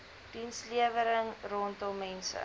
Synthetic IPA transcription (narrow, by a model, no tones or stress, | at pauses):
d̥insliəvəɾəŋrɔntɔmɛnsə̰